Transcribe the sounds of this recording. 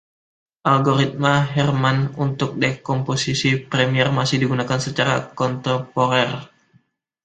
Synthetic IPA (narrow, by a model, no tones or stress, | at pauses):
ʔalɡoɾit̪̚maɦɛrmanunt̪ʊk̚dɛkɔmposisipɾɛmiɛrmasɪhdiɡunakansət͡ʃaɾa̰kɔnt̪ɛpoɾɛr